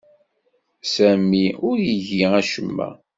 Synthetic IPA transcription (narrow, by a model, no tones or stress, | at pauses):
sæmːiʊɾjəʝiæʃəmːæ̰